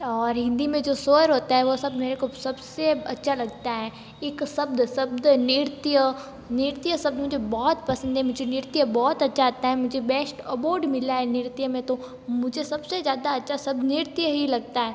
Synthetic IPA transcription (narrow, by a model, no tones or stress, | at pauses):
ɔːɾɦɪ̃nd̪imẽd͡ʒoːsoːɾɦoːt̪aɦɛʋosɐbmeːɾekosɐbseɐtːʃʰalɐɡt̪aɦɛː | ɪksɐbd̪sɐbd̪nɪɾt̪jə | nɪɾt̪ijəsɐb̚d̪mʊd͡ʒʱebɔːt̪pɐsə̃nd̪ɦɛmʊd͡ʒʱenɪɾt̪jəbɔːt̪ɐtːʃʰaːt̪aɦɛmʊd͡ʒʱebɛːsʈɐboːɾɖmɪlaɦɛnɪɾt̪ijəmẽt̪o | mʊd͡ʒʱesɐbsezjaːd̪aɐtːʃʰasɐb̪̚nɪɾt̪jəɦilɐɡt̪aɦɛː